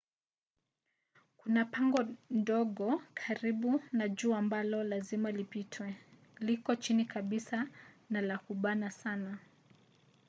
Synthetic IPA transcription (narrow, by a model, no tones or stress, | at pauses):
kunapaŋɡɔndɔɠɔkʰaɾiɓunaʄuːambalɔlazimalipitʰwɛ | likɔt͡ʃinikaɓisa | nalakuɓanasana